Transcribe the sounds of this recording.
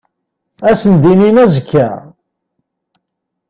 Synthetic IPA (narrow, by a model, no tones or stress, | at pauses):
æsənd̪ininæzəkʰːæ